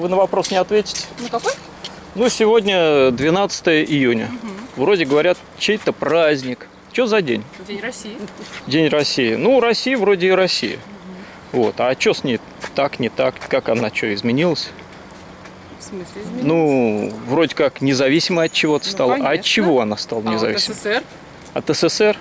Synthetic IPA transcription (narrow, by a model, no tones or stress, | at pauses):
vɨnəvɐpɾo̞snʲɪɐt̪vʲetʲɪ̥tʲɪ̥ | nusʲɪvo̞dʲnʲəd̪vʲɪnat̪sɨ̥t̪əjəʔɪjunʲə̰vɾo̞dʲɪɡəvɐɾʲat̪̚ | t͡ɕejt̪əpɾazʲnʲɪk | t͡ɕozɐdʲenʲ | dʲenʲrɐsʲːijɪnuɾɐsʲːijəvɾo̞dʲɪːɾɐsʲːḭjə̰ɪ̰ | vo̞t̪at͡ɕːosʲnʲej | t̪aknʲɪt̪akkakɐnat͡ɕoɪzmʲɪnʲilˠəsʲ | nuvɾo̞dʲɪkaknʲɪzɐvʲisʲɪməɐt̪̚t͡ɕːɪvo̞t̪ə̥st̪alˠəʔɐɐt͡ɕːɪvo̞ɐnast̪alˠənʲɪzɐ̰visʲɪ | ɐ̰t̪əsəsɛr